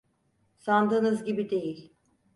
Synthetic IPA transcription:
sand̪ɯːnɯzɟibid̪e̞jilʲ

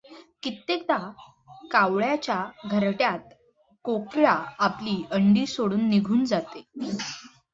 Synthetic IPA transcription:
kit̪ːek̚d̪a | kawɭjat͡ɕjaɡʱəɾʈjat̪̚ | kokɭaːpliːəɳɖiːsoɽuːnːiɡʱuːnd͡zat̪e

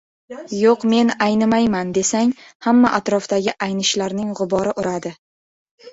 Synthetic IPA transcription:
joqme̞najnɪmajmand̪e̞saŋhamːaʔat̪ɾɒfd̪aɡʲɪʔajnɪʃlaɾnɪŋʁʊbɒɾɪʔʊɾad̪ɪ

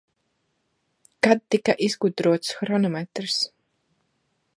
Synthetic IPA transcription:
kad̪̚ːikaʔizɡud̪ɾuɔt̪sxɾɔnɔmɛt̪ɾs

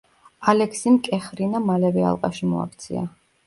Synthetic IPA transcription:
alɛkʰsimkʼɛχɾinamalɛvɛa̰lˠqʼaʃimɔa̰k̚ʰt̪sʰḭa̰

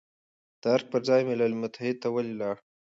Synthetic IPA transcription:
d̪̥əaɾk̚pəɾzɑjmɪlalmʊt̪ʰahɪd̪̚t̪awalilɑɽ

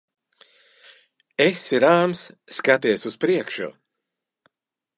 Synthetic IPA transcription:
esiɾaːmsːkat̪iɛsuspɾiɛkʃṵ

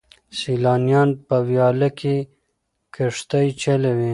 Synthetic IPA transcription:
silɑːnjɑːnpəwjɑːlake | kʰəʂt̪ajt͡ʃelewe

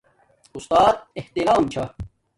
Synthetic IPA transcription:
ʊst̪aːd̪̚eht̪iɾaːmt͡ɕʰɐ

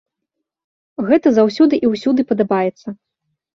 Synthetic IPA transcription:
ɣɛt̪ɐzawsʲud̪ɨʔiwsʲud̪ɨpɐd̪abajɛt̪sːɐ

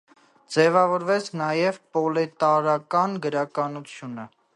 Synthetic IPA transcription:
d͡zɛvɑvɔɾvɛt͡sʰnɑjɛvpɔlɛt̪ɑɾɑkɑnɡəɾɑkɑnut͡sʰjunə

